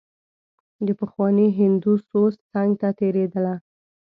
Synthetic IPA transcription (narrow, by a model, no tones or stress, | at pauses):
d̪əpəxwɑneɦɪnd̪usost̪t͡saŋɡt̪at̪eɾed̪əla